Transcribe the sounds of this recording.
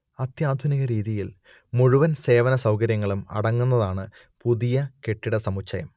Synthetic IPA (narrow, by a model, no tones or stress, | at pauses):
ɐt̪jaːd̪ʱuniɣɐɾiːðijil | muɻuʋɐnse̞ːʋɐnɐsɐwkɐɾjɐŋːɐɭumɐ̰ɽɐŋːunːɐðaːɳɨ | puðijɐke̞ʈːiɽɐsɐmut͡ɕʰːɐjɐm